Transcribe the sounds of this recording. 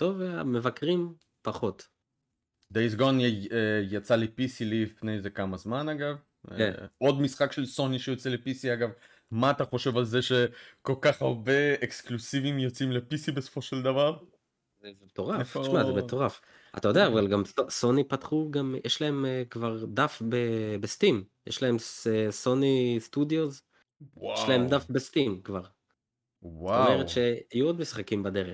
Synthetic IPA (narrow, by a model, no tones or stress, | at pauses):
tovamevakʁim | paχo̞t̪ | d̪ejzɡonejat͡salipisilipnejzekamazmanaɡav | ḛo̞d̪misχakʃelso̞niʃejot͡selepisiaɡav | maːt̪aχo̞ʃe̞valzeʃe̞ko̞lkaχaʁbe̞eksklusivimjot͡simlepisibesofo̞ʃeld̪avaʁ | zezemet̪o̞ʁaft̪aʃmazemet̪o̞ʁaf | a̰t̪ajodeaːvalɡamsoso̞nipatχuɡamjʔeʃlae̞mkvaʁd̪afbebest̪imjeʃlae̞msso̞nistud̪jo̞z | ʃlaemd̪afbest̪imkvaʁ | waomeʁet̪ʃeajuo̞d̪misχakimbad̪e̞ʁe